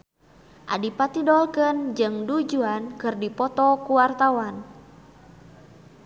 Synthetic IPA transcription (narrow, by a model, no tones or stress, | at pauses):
ʔa̰dipat̪idɔlkənd͡ʒɨŋdud͡ʒuankɨrdipɔt̪ɔkuwart̪awan